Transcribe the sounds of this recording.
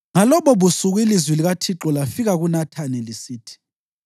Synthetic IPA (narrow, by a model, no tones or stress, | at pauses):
ŋalɔβɔβusuɣwilizwiliɣatʰiǁɔlafiɣaɣunatʰanɛlisiːtʰi̥